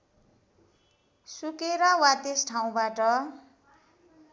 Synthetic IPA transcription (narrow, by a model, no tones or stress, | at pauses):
sukeɾʌwat̪esʈʰaw̃baʈʌ